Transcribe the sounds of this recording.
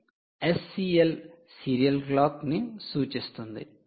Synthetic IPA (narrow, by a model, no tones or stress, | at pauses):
esːiel | siɾijɐlklaːknisuːt͡ʃist̪und̪ḭ